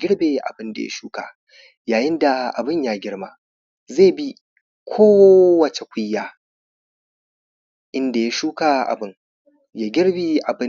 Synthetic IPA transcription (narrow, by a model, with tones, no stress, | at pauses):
ɡʲɪ˦ɽbe˨ʔa̰˨bɪ˦nda̰˨ja̰˦ʃuː˦ka˨ | jaː˨jɪ˦nda˨ʔa̰˨bɪ˦ɲjaː˦ɡʲɪ˦ɽmaː˦ | zeː˦˨bi˦ | kʷʰoː˦wɐ˨t͡ʃe˨kʷʊ˦jːaː˨ | ʔɪ˦nda˨ja˦ʃuː˦ka˨ʔa̰˨bɪ˦ŋ | jaː˦ɡʲɪ˦ɽbiː˦ʔa˨bɪ˦